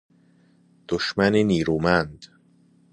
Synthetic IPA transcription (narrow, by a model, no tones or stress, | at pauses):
d̪̥oʃmæneniːɾuːmænd̪̥